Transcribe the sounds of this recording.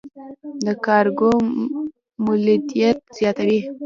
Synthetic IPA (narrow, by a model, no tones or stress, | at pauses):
d̪əkɑɾɡo | mʊlɪd̪ijat̪̚z̥jɑt̪awi